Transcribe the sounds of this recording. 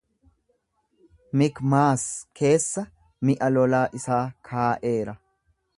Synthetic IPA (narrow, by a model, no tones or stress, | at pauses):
mɪkmaːskʰe̞ːsːɐ | mɪʔɐlɔlaːʔɪsaːkʰaːʔe̞ːɾɐ